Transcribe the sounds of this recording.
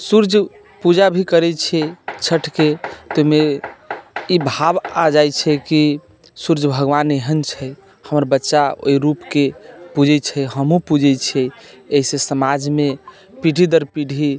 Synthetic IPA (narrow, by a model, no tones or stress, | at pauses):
suɾd͡ʒʱ | pud͡ʒabʱikəɾɛt͡ʃʰɛt͡ʃʰəʈʰket̪ome | ibʱabad͡ʒajt͡ʃʰɛki | suɾd͡ʒʱbʱəɡʋaneɦənt͡ʃʰɛ | həməɾbətːʃao̰iɾupkepud͡ʒɛt͡ʃʰɛɦəmũpud͡ʒʱɛt͡ʃʰɛ | eɦisesəmad͡ʒme | piɖʱid̪əɾpiɽʱi